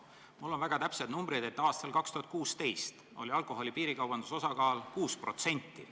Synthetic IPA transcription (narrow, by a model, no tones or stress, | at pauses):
mulːo̞nvæɡ̥ɑt̪æpsed̪numbɾid̪e̞t̪ːɑːst̪ɑlkɑkst̪uhɑt̪̚kuːst̪e̞jst̪ | o̞̰lʲiɑlkˑo̞ɦo̞lʲipiːɾikɑwb̥ɑnd̪usosɑkɑːlkuːspro̞t̪se̞nʲt̪ːˑḭ